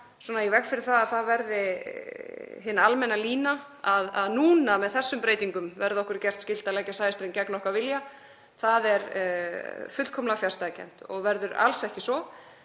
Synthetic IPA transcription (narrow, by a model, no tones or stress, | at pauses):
swɔːnaivɛkfɪɾɪɾ̥θaðaðθaðvɛɾðɪ | ɦɪnːalmɛnːaliːna | aðaðnuːnamɛðθɛsːʏmpɾejt̪iŋkʏmvɛɾðɪɔhkʏɾ̥cɛr̥t̪scɪlt̪alɛːcasaːjɪst̪ɾejncɛknɔhkvaɾvɪlja | θaðɛɾ | fʏt̪lkʰɔmlafjaɾ̥st̪acʰɛ̰n̥t̪ɔ̰ɣvɛɾðʏɾa̰lsɛhcɪsɔ